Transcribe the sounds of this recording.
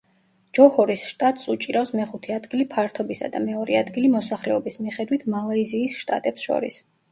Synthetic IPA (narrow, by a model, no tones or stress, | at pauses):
d͡ʒɔhɔɾisʃt̪ʼat̪ʼsut͡ʃʼiɾafsmɛχut̪ʰɛad̪ɡilipʰaɾt̪ʰɔbisa̰d̪amɛɔɾɛad̪ɡilimɔsaχlɛɔbismiχɛd̪wit̪ʰmalˠaiziːsʃt̪ʼa̰t̪ʼɛpsʃɔ̰ɾḭs